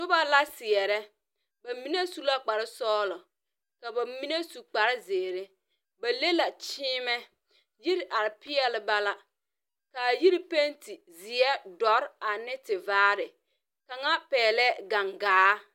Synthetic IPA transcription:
sʊ˦ba˦la˦sɪ˨ɛ˨ɾɛ˦ | ba˨mi˦ne˦su˦la˦k͡pa˨ɾɪ˦sɔː˦lɔ˨ | ka˨ba˨mi˦ne˦su˨k͡pa˨ɾɪ˦zeː˨ɾe˦ | ba˨le˦la˨t͡ʃiː˦mɛ˦ | ji˦ɾʔa˨ɾɪ˨pɪ˦ɛ˦lɪ˨ba˦la˦ | ka˨ji˦ɾi˦pe˦nti˨ | zɪ˨ɛ˦dɔ˨˦ɾa˨nɪ˦tɪ˨vaː˦ɾɪ˨ | ka˨ŋa˦pɛː˨lɛ˦ɡa˨ŋɡaː˦

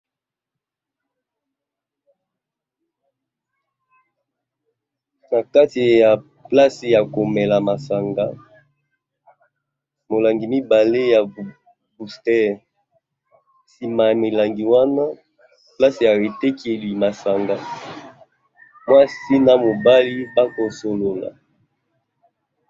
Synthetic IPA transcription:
na˨ka˦ti˨ja˨ | pla˦se˨ja˨ko˨mɛ˨la˨ma˨sa˨ŋɡa˨ | mo˨la˨ŋɡi˨mi˦ba˨le˦ja˨ | bu˨stɛ˦ | si˨ma˨ja˨me˨la˨ŋɡi˨wa˦na˦ | pla˦se˨ja˨ʁe˨te˦ki˦e˨li˨ma˨sa˨ŋɡa˨ | mwa˦si˦na˨mo˨ba˦li˦ba˦ko˨so˨lo˨la̰˨

